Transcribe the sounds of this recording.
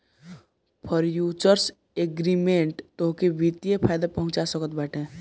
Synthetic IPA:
pʰəɾjuːt͡ʃəɾs | eɡɾimẽɳʈt̪oɦkeʋit̪ijepʰaːjd̪apəɦʊ̃nt͡ʃasəkət̪baːʈẽː

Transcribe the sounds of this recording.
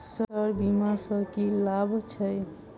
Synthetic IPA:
sʌɾbimasʌɾkilabʱt͡ʃʰʌj

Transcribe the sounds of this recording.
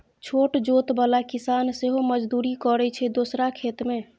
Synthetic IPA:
t͡ʃʰoːʈd͡ʒot̪balakisanseɦoməd͡ʒd̪uɾikɔɾɛt͡ʃʰɛd̪oːsɾakʰet̪me

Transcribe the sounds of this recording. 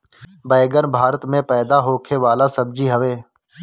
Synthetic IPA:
bəːɡənbʱaːɾət̪mẽːpɛːd̪aːɦoːkʰeːʋaːlaːsəb̚d͡ʒiːɦəʋeː

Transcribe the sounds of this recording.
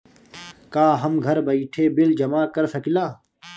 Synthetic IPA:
kaːɦɐmɡʱɐɾbɐiʈʰeːbɪld͡ʒɐmaːkɐɾsɐkilaː

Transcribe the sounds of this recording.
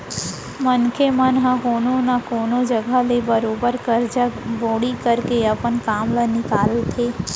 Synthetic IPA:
mɐnkʰemənɦə̃ɦoːnonakoːnod͡ʒɐɡalebɐɾoːbəɾkəɾd͡ʒəboːɽikɐɾkeɐpənkaːmlənɪkaːlt̪ʰeː

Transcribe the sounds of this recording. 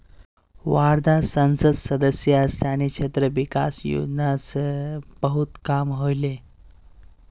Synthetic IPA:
ʋaɾd̪ʱasə̃nsəd̪səd̪əsjəəst̪aniɕʰet̪ɾəʋikasjo̰d͡ʑnasəbəɦut̪kamɦojle

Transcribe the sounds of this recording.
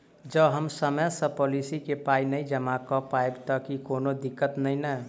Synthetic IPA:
d͡ʒəbɦəmsəmɛsə̃pɔlisikepainəĩd͡ʒəmakɔpaebt̪ɔkikoːnod̪ɪkːət̪nəĩnə

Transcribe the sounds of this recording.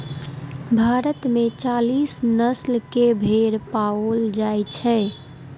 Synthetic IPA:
bʱaɾət̪met͡ʃalisnəslkebʱeɾpaold͡ʒajt͡ʃʰɛ

